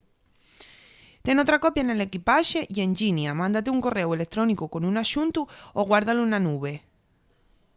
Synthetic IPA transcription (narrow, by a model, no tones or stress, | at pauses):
t̪enot̪ɾakopjanelekipaʃejend͡ʒinjamãnd̪at̪euŋkorːewelet̪ːɾɔnikukonunaʃunt̪uoɣwaɾðalunanuβe